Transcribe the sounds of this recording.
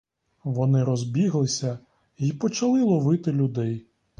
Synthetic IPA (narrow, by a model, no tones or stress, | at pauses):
ʋɔnɪɾɔzbʲiɦlˠɪsʲɐ | ipɔt͡ʃɐlˠɪlˠɔʋɪt̪ɪlʲʊd̪ɛj